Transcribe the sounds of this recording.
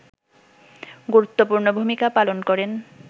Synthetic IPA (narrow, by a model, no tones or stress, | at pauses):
ɡuɾut̪ːopuɾnobʱumikapalonkɔɾen